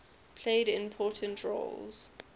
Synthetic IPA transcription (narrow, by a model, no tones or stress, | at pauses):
pʰl̥eɪdɪ̃mpʰɔːˑtʰə̃ntʰɹɔ̰lz̥